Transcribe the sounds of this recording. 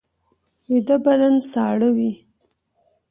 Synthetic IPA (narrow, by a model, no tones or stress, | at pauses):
wid̪abad̪ansɑɽəwi